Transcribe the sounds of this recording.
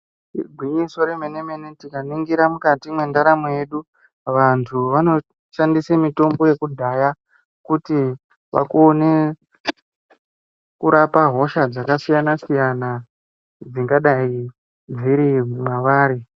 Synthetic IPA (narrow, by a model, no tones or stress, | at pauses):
ɡʱwiɲiso̞ɾemenemenetikaniŋɡiɾamukatimwe̞ndaɾamoje̞ɗu | ʋantʰuʋano̞ | ʃandisemito̞mbo̞je̞kudʱaja | kuti | ʋa̰kone | kuɾapaɦo̞ʃad͡zakasijanasijana | d͡ziŋɡaɗai | d͡ziɾimwaʋaːɾi